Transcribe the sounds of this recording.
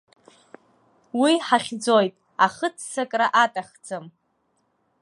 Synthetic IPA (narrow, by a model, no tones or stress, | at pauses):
wiħaχʲd͡zojtʼ | aχət͡sʰsakʼraʔatʼaχd͡zɨm